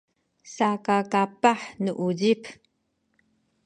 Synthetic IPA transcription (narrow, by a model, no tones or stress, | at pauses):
sakakapaħnuʔuɟip